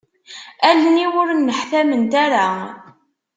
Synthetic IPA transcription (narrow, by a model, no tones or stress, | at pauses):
ælːniwʊɾnːəħθæmənt̪aɾa